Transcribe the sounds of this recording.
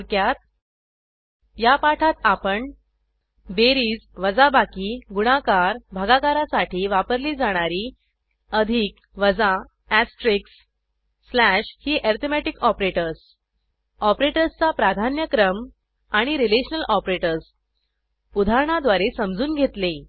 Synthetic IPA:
ɾkjat̪̚ | japaʈʰat̪apəɳ | beɾiːd͡zʋəd͡zabakiːɡuɽ̃akaɾbʱaɡakaɾasaʈʰiːʋapəɾliːd͡zaɽ̃aɾiː | əd̪ʱik | ʋəd͡za | æsʈɾiksː | læɕhiːʔɛɾt̪ʰemæʈikɔpɾeʈəɾs | ɔpɾeʈəɾst͡sapɾad̪ʱanjəkɾəm | aɽ̃iɾileɕənəlʔɔpɾeʈəɾs | ud̪ʱaɾɳ̃ad̪ʋaɾesəmd͡zʱuːnɡʱet̪le

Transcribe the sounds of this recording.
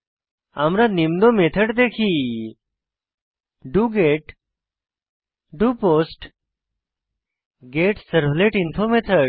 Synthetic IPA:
amɾanimd̪omet̪ʰəʈd̪eːkʰiː | ɖuːɡeːʈ | ɖuːpoːsʈ | ɡeːʈsəɾbleʈinfʰomet̪ʰə

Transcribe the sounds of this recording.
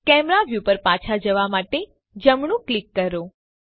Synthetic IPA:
kɛmɾaʋjupəɾpat͡ʃʰad͡ʒəʋamaʈe | d͡ʒəmɳ̃ũklikːəɾo

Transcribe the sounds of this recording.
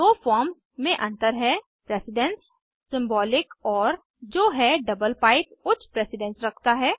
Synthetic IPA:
d̪oːfɔːɾms | mẽʔɐ̃nt̪əɾɦɛ | pɾeːsɪɖɛ̃nsː | ɪ̃mbɔːlɪkɔːɾ | d͡ʒoːɦɛɖɐbəlpaːɪp̚kʊt͡ʃʰpɾɛːsɪɖɛ̃nsɾɐkʰt̪aɦɛː

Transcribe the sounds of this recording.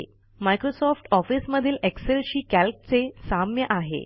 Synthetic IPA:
majkɾosɔfʈɔfisməd̪ʱiːlʔekselɕiːkælk̚t͡sesamjəʔaɦḛ

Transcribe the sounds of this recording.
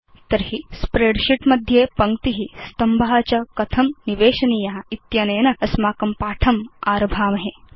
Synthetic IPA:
t̪ɐɾhispɾeːɖʃiʈmɐd̪ʱjeːpɐŋt̪iɦist̪ɐmbaːt͡ʃɐkɐt̪ʰɐmniʋeːʃɐniːjɐɦɐ̆it̪jɐneːnɐɐsmaːkɐmpaːʈʰɐmaːɾɐbʱaːmɐɦe

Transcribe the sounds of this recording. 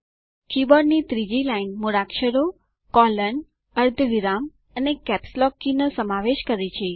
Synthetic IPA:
kibəɖnit̪ɾid͡ʒilainmoɾakʃəɾo | kɔlən | əɾd̪ʱəʋiɾam | ənekɛpslɔkːinəsəmaʋeʃkəɾet͡ʃʰe

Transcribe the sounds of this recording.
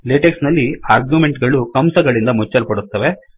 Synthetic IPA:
leːʈeksnɐlːiaːɾɡjume̞ɳʈɡɐɭukɐmsɐɡɐɭind̪ɐmut͡ʃːɐlpɐɽut̪ːɐʋe̞

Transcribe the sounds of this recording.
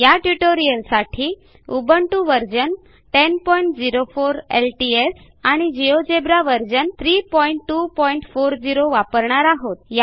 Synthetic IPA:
jaʈuʈoɾijəlsaʈʰiː | ubəɳʈuʋəɾd͡ʑən | ʈenpɔiɳʈ̚d͡ziɾofoɾelʈies | aɽ̃id͡ʑiod͡ʑebɾaʋəɾd͡ʑənt̪ʰɾiːpɔiɳʈːupɔiɳʈfoɾd͡ʑiɾoʋapəɾɳaɾaɦot̪̚ja

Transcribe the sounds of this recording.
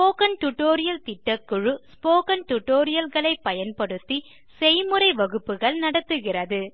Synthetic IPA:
spoːkɐnʈʊʈːoːɾɪjɐlt̪ɪʈːɐkːɯɻɯspoːkɐnʈʊʈːoːɾɪjɐlɣɐɭɐɪpːɐjɐnpɐɽɯt̪ːi | sɛjmɯɾɐɪʋɐɣɯpːɯɣɐɭnɐɽɐt̪ːɯɣɪrɐðɯ

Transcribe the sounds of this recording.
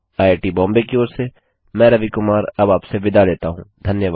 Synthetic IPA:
aːeːʈibɔ̃ːmbekioːɾse | mɛ̃ːɾɐʋikʊmaːɾɐbaːpseʋɪd̪ʱaleːt̪aɦũːd̪ʱɐnjəʋaːd̪

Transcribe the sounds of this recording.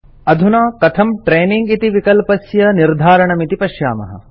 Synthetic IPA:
ɐd̪ʱunaːkɐt̪ʰɐmʈɾeːniŋɡit̪iʋikɐlpɐsjɐniɾd̪ʱaːɾɐɳɐmit̪ipɐʃja̰ːmɐ̰ɦɐ̰

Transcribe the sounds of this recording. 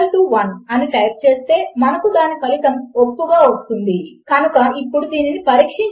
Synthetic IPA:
lʈuːʋɐnɐniʈɐjp̚t͡ʃe̞ːst̪e̞ːmɐnɐkud̪aːnːipɐlit̪ɐmopːuɡaːost̪und̪ikɐnukɐipːuɽud̪iːninipɐɾiːkʂiɲ

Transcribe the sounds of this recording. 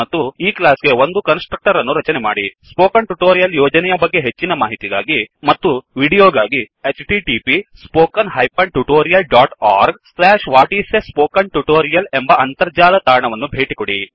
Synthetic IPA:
mɐt̪ːuiːklaːsɡe̞o̞nd̪ukɐnsʈɾɐk̚ʈɐɾɐnːuɾɐt͡ʃɐnema̰ːɽispoːkɐɳʈuʈoːɾijɐljoːd͡ʒɐnɛjɐbɐɡːe̞ɦet͡ʃːinɐmaːɦit̪iɡaːɡimɐt̪ːuʋiːɽijoːɡaːɡi | et͡ʃʈiʈipispoːkɐnɦɐjpɐɳʈuʈoːɾijɐlɖaːʈaːɾɡslaːʂʋaːʈiːsespoːkɐnʈuʈoːɾijɐle̞mbɐɐnt̪ɐɾd͡ʒaːlɐt̪aːɳɐʋɐnːubʱe̞ːʈikoɽi

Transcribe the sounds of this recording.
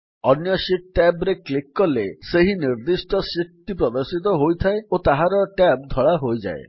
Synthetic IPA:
ɔnjɔsiʈ̚ʈɛbɾeklikːɔleseɦiniɾd̪isʈɔsiʈ̚ʈipɾɔd̪aɾsit̪̬ɔɦojt̪ʰaeot̪aɦaɾɔʈɛp̚d̪ʱɔɭaɦojd͡ʒa̰e

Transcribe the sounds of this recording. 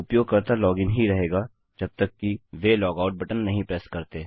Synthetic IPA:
ʊpjoːɡ̚kɐɾt̪alɔːɡɪ̃ŋɦiɾɐɦeːɡaː | d͡ʒɐb̚t̪əkːiʋelɔːɡaːʊʈ̚bɐʈənːɐɦĩpɾɛːskɐɾt̪eː

